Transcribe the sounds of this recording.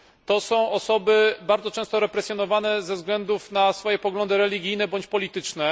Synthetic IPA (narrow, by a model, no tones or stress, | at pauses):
t̪ɔsɔ̃w̃ɔsɔbɘbaɾd̪zɔt͡ʂɛ̃w̃st̪ɔɾɛpɾɛsʲjɔnɔvanɛzɛvzɡlɛnd̪ufnasfɔjɛpɔɡlɔnd̪ɘɾɛlʲiɡʲijnɛbɔɲt͡ɕpɔlʲit̪ɘt͡ʂnɛ